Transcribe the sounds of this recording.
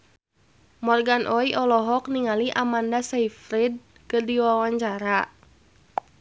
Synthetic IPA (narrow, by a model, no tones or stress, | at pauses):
mɔrɡanʔɔiʔɔlɔɦɔk̚niŋaliʔamandasaifɾid̚ | kɨrdiwawaɲt͡ʃaɾa